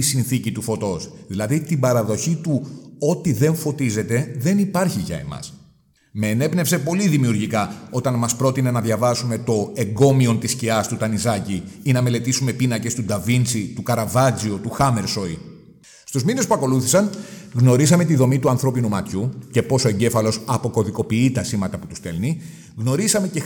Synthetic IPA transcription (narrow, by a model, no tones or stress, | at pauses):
isinθicit̪ufo̞t̪o̞sðilɐðit̪ibɐɾɐðo̞çit̪uo̞t̪iðe̞ɱfo̞t̪ize̞t̪e̞ðe̞nipɐɾçiʝɐ̰e̞̰mɐ̰s | me̞ːne̞pne̞pse̞po̞liðimiuɾʝikɐo̞t̪ɐnmɐspɾo̞t̪ine̞nɐðʝɐvɐsume̞t̪o̞e̞ŋɡo̞mio̞nt̪isciɐst̪ut̪ɐnizɐciinɐme̞le̞t̪isume̞pinɐce̞st̪ud̪ɐvint͡sit̪ukɐɾɐvɐd͡ziot̪uxɐme̞ɾso̞i | st̪uzmine̞spuɐko̞luθi̥sɐnɣno̞ɾisɐme̞t̪iðo̞mit̪uɐnθɾo̞pinumɐt̪çuce̞po̞so̞e̞ɲɟe̞fɐlo̞sɐpo̞ko̞ðiko̞piit̪ɐsimɐt̪ɐput̪u̥st̪elni | ɣno̞ɾisɐme̞ce̞